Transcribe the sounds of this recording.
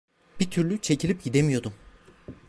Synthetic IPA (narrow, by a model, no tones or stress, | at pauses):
b̥it̪ʰyɾlʲyt͡ʃʰe̞cʰilʲip̚ɟid̪e̞mijo̞d̪um